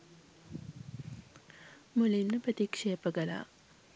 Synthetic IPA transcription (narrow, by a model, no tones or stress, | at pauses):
mulimnɐpɾɐt̪ikʃepɐɡɐla̰